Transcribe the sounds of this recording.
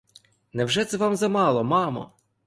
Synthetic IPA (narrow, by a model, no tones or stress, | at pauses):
nɛwʒɛt̪sɛʋɑmzɐmɑlˠɔmɑmɔ̰